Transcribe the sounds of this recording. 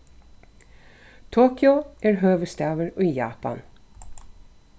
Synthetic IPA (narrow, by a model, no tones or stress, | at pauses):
t̪ʰoːkʏʊæːɹɦøːʋəst̪æːʋəɹoːiːjɑ̰ːpɑ̰n